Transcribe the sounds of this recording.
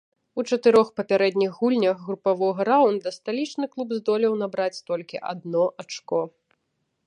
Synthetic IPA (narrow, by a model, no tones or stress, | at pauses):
ut͡ʂɐt̪ɨɾɔxpɐpʲaɾɛd̪ʲnʲiɣːulʲnʲɐxɣɾupavɔɣɐɾawnd̪ɐst̪alʲit͡ʂnɨklˠubzd̪ɔlʲiwnabɾat͡sʲst̪ɔlʲkʲiʔa̰d̪nɔʔat͡ʂkɔ